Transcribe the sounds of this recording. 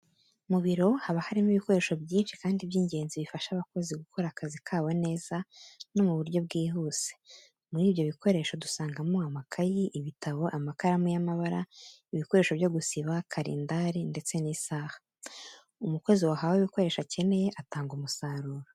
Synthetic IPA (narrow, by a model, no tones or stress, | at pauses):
muβiɾo̞haβahaɾimiβiko̞ɾe̞ːʃo̞bjiːnʃi̥kaːndibjiːɲɟe̞ːnziβifaʃaːβako̞ziɡukʰo̞ɾakazikʰaːwo̞ne̞ːz̥ano̞muβuɾɟo̞bɡiːɦuːse | muɾiːβjo̞βiko̞ɾe̞ʃo̞dusaːŋɡamoamakʰajiʔːβitʰaβo̞ʔamakaɾamujamaβaɾaiβiko̞ɾe̞ːʃo̞βjo̞ɡusiβakʰaɾḭːndaɾinde̞t͡se̞niːsaːhḁ | umukwe̞ziwaɦaweβiko̞ɾe̞ːʃace̞ne̞je̞ʔataːŋɡumusaːɾuːɾo